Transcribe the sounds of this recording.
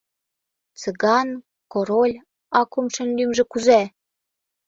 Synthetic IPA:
t͡səɣɑn | koɾolʲ | ɑkumʃɘ̆nlymʒĕkuzæ

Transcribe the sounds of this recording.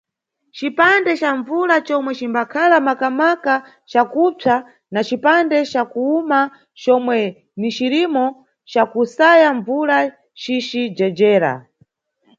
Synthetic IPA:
t͡ʃipandɛt͡ʃaɱvuɾat͡ʃɔmwɛt͡ʃimbakʰalamakamaka | t͡ʃakupʰa | nat͡ʃipandɛt͡ʃakuuma | t͡ʃɔmwɛ | nit͡ʃiɾimɔ | t͡ʃakusajaɱvuɾa | t͡ʃit͡ʃid͡ʒɛd͡ʒɛːɾa̰

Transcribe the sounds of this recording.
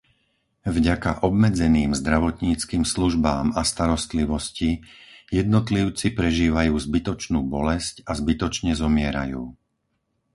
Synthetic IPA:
vɟakaʔɔbmɛd͡zɛniːmzd̪ɾaʋɔt̪ɲiːt͡skiːmsluʒbaːmast̪aɾɔst̪liʋɔscijɛd̪nɔt̪liʊt͡sipɾɛʒiːʋajuːzbit̪ɔt͡ʃnuːbɔlɛscazbit̪ɔt͡ʃɲɛzɔmɪɛɾa̰juː

